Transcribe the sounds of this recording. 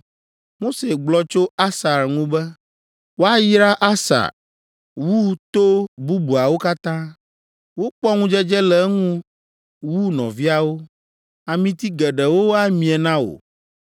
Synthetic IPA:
mo˦se˨ɡ͡blɔ˦t͡ʃo˦a˦sa˨ɾŋũ˦bɛ˦ | wo˦a˦ji˦ɾa˦ʔa˦sa̰˨ | wu˦t̪o˦bu˦bu˨a˨wo˦ka˦t̪ã˦ | wo˦k͡pɔ˦ŋũ˦d͡ʒɛ˦d͡ʒɛ˦lɛ˨˦ŋũ˦ | wu˦nɔ̰̃˨vi˦a˨wo˦ | a˨mĩ˦t̪i˦ɡɛ˨ɖɛ˨wo˦wa˦mĩ˨ɛ˨nã˦o̰˨

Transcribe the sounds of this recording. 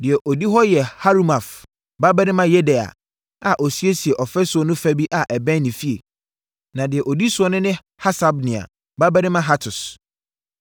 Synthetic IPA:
dɪ˨ɛ˨ʔo˨di˦ɦɔ˦jɛ˨ha˦ɾu˦ma˨f | ba˦bɛ˦nɪ̃˦mã˦jɛ˦dɛ˨a̰˨ | a˨ʔo˨si˦e˦si˨e˨ʔɔ˨fɛ˦sʊ˨ɔ˨˦nʊ̃˦fæ˦bi˦ʔa˨ʔɛ˨bɛ̃˦nɪ̃˨fi˦ḛ˨ | nã˨dɪ˨ɛ˨ʔo˨di˦sʊ˨ɔ˨˦nʊ̃˦nɪ̃˦ | ha˦sa˨bnɪ̃˨a̰˨ | ba˦bɛ˦nɪ̃˦mã˦ɦa˦tʰʊ˨s

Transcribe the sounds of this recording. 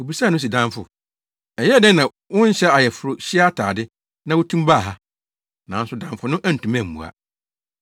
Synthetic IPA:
o˨bi˨saː˦˨nʊ̃˦s̬i˨dã˦ɱfʊ̰˨ | ɛ˨jɛ˦dɛ̃˦nã˨ | wʊ̃˦ɲ˦ɕɛ˦a˨jɛ˨fʊ˨˦ɾʊ˨ɕɪ˦a˦tʰaː˨dɪ˦ | nã˦wʊ˦tʰũ˦mba˦˨ɦa˦ | nã˨˦n̩˦sʊ˨dã˨mfʊ˨nʊ̃˦ʔæ˦n̩˨tʰũ˨mæ̃˦˨m̩˨mṵ̃˨a̰˨

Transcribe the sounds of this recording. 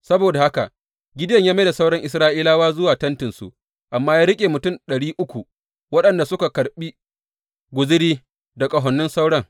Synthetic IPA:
sɐ˦boː˨da˨ha˦ka˨ʔ | ɡʲɪ˦dɐ˦˨ɲjaː˦me˦da˨sa˦wɽɐ˦ŋʔɪ˨s̬ɾaː˦ʔiː˦laː˦waː˦zʊ˦waː˨tɐ˦ntɪ˨nsṵ˨ | ʔa˨mːaː˦jaː˦ɾɪ˦kʲʼeː˨mʊ˨tʊ˦˨nɗɐ˨ɽiː˦ʔʊ˦kʷu˨ | wɐ˦ɗɐ˨nda˨sʊ˦ka˨kɐ˨ɾɓiː˦ | ɡʷʊ˨zɪ˦ɽiː˦ | da˨kʼɐ˨ɦɔ˨nːʊ˦nsa˦wɽɐ˦ŋ

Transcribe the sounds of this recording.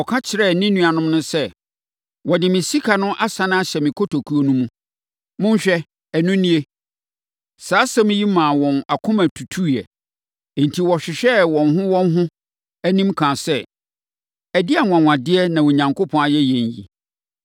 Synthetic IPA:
ɔ˨kʰa˦t͡ɕʰɪ˨ɾɛ˦˨nĩ˦nũ˦a˨nʊ̃˦m˦nʊ̃˦sɛ˦ | wɔ˨dɪ˨mɪ̃˨si˦kʰa˨nʊ̃˦ʔa˦sã˦ñ˦a˦ɕɛ˨mɪ̃˨kʰo˦tʰo˨kʰu˦o˦nũ˦mũ˦ | mʊ̃˦n˦ɕᶣɛ˦ | ɛ˨nũ˦nĩ˦e˦ | saː˨˦sã˦m̃˦ji˦mã˨wɔ̃˨na˨kʰʊ̃˦mæ˨tʰu˨tʰu˦˨jɛ˨ | n̩˨tʰi˨wɔ˨ɕᶣɪ˨ɕᶣɛ˦wɔ̃˨nɦʊ̃˦wɔ̃˦n˦ɦʊ̃˦ | æ˦nĩ˦mkʰã˨sɛ˦ | æ˨dɪ˦a˨ŋʷ˨ã˨ŋʷ˨ã˨dɪ˦ɛ˦nã˨wo˨ɲã˨ŋko˦pʰɔ̃˦a˨jɛ˦jɛ̃˨ɲ˨jḭ˨

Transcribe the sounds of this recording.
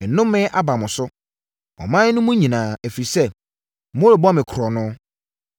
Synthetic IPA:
n˨nʊ̃˦mː˦ɪ̃˦ʔa˦ba˨mʊ̃˨sʊ˦ | ɔ̰˨mã˦n˦nʊ̃˦mʊ̃˦ɲĩ˨nãː˨æ˨fɾi˨sɛ˦˨ | m˦o˦ɾo˨bɔ˦mɪ̃˨kʰɾɔ˨nʊ̃˦

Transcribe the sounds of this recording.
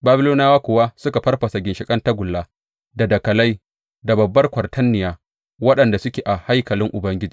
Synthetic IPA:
baː˦bɪ˦loː˦naː˦waː˦kʷʊ˨wa˦sʊ˦ka˨ɸɐ˦rɸɐ˨sa˨ɡʲɪ˨nʃɪ˨kʼɐ˦nta˦ɡʷʊ˨lːaː˦ | da˨dɐ˨kɐ˨la˦j | da˨bɐ˨bːɐ˦rkʷɐ˨rtʰɐ˦nːɪ˨jaː˦ | wɐ˦ɗɐ˨nda˨sʊ˦kʲeː˨ʔa˨ha˦jkɐ˨lɪ˦ŋʔʊ˨bɐ˦ŋɡʲɪ˦d͡ʒi̥ː˨˦

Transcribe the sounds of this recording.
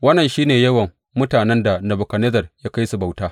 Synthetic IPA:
wɐ˦nːɐ˨nʃiː˦neː˨jɐ˦wɐ˨ŋ | mʊ˦taː˨nɛ˦nda˨na˨bʊ˨kɐ˨nɛ˦zɐ˨rjaː˦ka˦jsu˨ba˨wtaː˦

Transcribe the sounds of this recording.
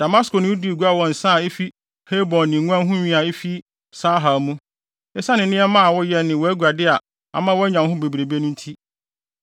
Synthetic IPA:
d̥a˨ma˦skʰo˨nɪ̃˦wu˦di˦˨ɡu˦a˦˨wɔ̃˨n̩˨sã˦˨e˦fi˦ | he˦bɔ̃˨nnɪ̃˨ŋʷ˦ã˦ɦʊ̃˦ɲĩ˦a˨e˦fi˦ | saː˦ɦa˨mũ˦ | ɛ˦sa˦nɪ̃˨nɪ̃˦ɛ˦mã˦˨wɔ˦jɛ˦nɪ̃˨wɔ˨˦æ˦ɡu˨a˨dɪ˦a˨ | a̰˨mã˦wɔ˦ɲã˨˦ɦʊ̃˦be˨bɾe˨bi˦e˦nʊ̃˦n̩˦tʰi˦

